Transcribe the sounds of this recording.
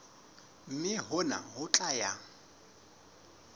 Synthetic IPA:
m̩mɪɦʊna̰ɦʊt͡ɬʼaja

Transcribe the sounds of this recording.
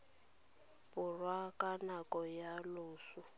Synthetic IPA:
pʊrwakʼanakɔjaloːsʊ

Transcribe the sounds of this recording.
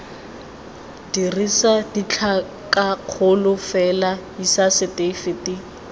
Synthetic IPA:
d̥irisadit͡ɬʰa | kaq͡χʰʊlʊfɛlaisasɪtʼefɪtʼi

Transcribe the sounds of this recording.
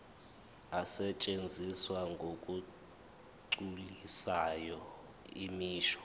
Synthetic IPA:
asɛt͡ʃʼend͡zʱiswaŋɡʱokʼu | ǀulisajɔ | imiːʃɔ̥

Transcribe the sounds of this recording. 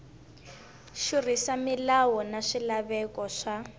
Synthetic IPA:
ʃurisamilawɔnaʂilaβɛkɔʂa

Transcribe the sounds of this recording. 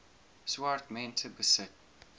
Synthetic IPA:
swaɹtmɛ̃ntʰəbəsɪt̚

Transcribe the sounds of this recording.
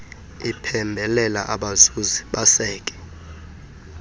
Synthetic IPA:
ipʰɛmbʱɛlɛla̰ʔaɓazuziɓasɛːkʼɛ̥

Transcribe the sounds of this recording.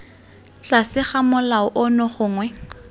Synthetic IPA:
t͡ɬasɪχamʊlaʊʔɔnɔχʊːŋwɛ

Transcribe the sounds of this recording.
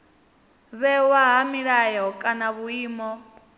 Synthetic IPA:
βɛwaɦamiɺajɛɦɔkʼanaβuiːmɔ

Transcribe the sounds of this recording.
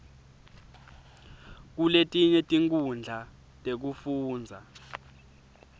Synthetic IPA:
k̬uletʼiɲɛtʼiŋkʼund͡ɮʱa | tʼek̬ufuːnd͡zʱa

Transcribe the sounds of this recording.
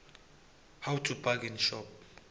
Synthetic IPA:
hawtʰubakinʃɔp̚

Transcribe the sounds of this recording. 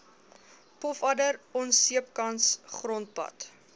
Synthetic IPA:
pɔfɐdəɾɔnsiəp̚kɐnsχrɔnt̚pɐ̰t

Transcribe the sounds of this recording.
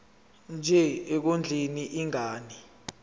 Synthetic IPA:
nd͡ʒʱɛek̬ond͡ɮʱiniʔiŋʱaːni

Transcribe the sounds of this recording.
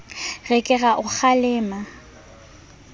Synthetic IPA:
rɛkʼɪɣaʔʊk͡xalɪːma

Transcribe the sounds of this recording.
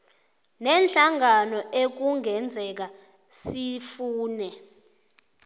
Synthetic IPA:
nɛnɬaŋanɔʔek̬uŋɛnd͡zʱɛk̬a | sifuːnɛ

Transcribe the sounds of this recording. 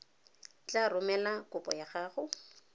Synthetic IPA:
t͡ɬʼarʊmɛlakʊpʼɔ̰jaɣaːχʊ

